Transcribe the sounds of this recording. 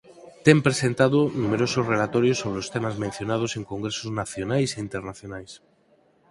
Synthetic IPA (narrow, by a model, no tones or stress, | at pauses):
t̪empɾesent̪aðonumeɾososrelat̪ɔɾjosːoβ̞ɾeost̪emazmẽn̟θjonað̞oseŋkoŋɡɾesoznaθjonajseint̪eɾnaθjonajs